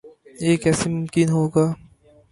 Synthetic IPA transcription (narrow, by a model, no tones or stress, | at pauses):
jeːkɛsimʊmkinɦoːɡaː